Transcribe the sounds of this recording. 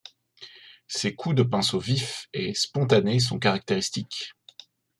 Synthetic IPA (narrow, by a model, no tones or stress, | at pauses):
sekʰud̪əpɛ̃sovifespɔ̃t̪anes̬ɔ̃kaʁak̚t̪eʁist̪ik